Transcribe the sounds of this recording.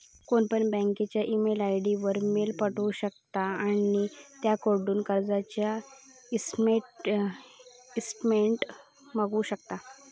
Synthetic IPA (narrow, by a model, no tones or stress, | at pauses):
koɳpəɳbə̃ŋket͡ɕjaʔimelajɽiʋəɾmelpəʈuːɕək̚t̪aanit̪jakoɾɖuːnkəɾd͡zat͡ɕja | ismeʈ | isʈmeɳʈ | məɡuːɕəkt̪a